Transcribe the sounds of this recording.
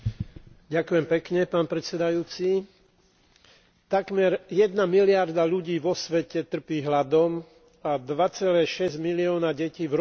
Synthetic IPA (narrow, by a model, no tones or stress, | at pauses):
ɟakujɛmpɛkɲɛpaːnpɾɛt̪sɛd̪ajuːt͡si | t̪aɡmɛɾjɛd̪namilɪaɾd̪aʎuɟiːʋɔsʋɛcɛt̪r̩piːɦlad̪ɔm | ad̪ʋat͡sɛlɛːʃɛzɟmiliɔːnaɟɛciːvɾ